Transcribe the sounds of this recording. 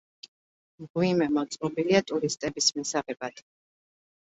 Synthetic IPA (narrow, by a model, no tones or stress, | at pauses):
mʁwimɛmɔt̪sʼqʼɔbiliat̪ʼuɾist̪ʼɛbismisaʁɛbad̪̥